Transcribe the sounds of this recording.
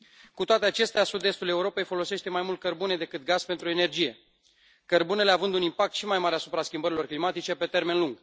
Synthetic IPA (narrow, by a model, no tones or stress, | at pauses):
kut̪oat̪eat͡ʃe̞st̪easud̪e̞st̪ule̞uɾo̞pe̞jfo̞lo̞se̞ʃt̪e̞majmult̪̚kərbune̞d̪e̞kɨt̪̚ɡaz̥pe̞nt̪ɾuene̞rd͡ʒije̞ | kərbune̞le̞avɨnd̪unimpak̚t̪ʃimajmaɾeasupɾaskʲimbəɾilo̞rklimat̪it͡ʃe̞pe̞t̪e̞rme̞nluŋɡ